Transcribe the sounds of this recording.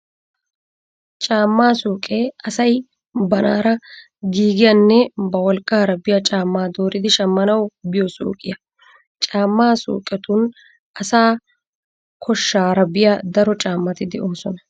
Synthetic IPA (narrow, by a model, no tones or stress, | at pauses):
t͡ʃʼaːmːaːsoːkʼeːɐsɐj | bɐna̰ːɾɐ | ɡiːɡɪjɐnːɛbɐwɔlkʼːaːɾɐbɪjɐt͡ʃʼaːmːaːd̪o̞ːɾɪd̪ɪʃɐmːɐnɐwbɪjɔso̰ːkʼːɪjɐ | t͡ʃʼaːmːaːso̰ːkʼːɛt̪ʊn | ʔɐsaː | kʰɔʃːaːɾɐbɪjad̪ɐɾɔt͡ʃʼaːmːɐt̪ɪd̪ɛʔoːsɔnɐ